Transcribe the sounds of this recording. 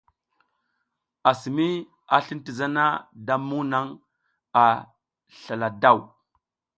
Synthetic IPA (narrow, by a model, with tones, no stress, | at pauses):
a˨si˨mi˦ | a˨ɬi˦n˦ti˨za˦na˦da˦mu˦na˦ŋ | a˨ | ɬa˨la˨da˦˨w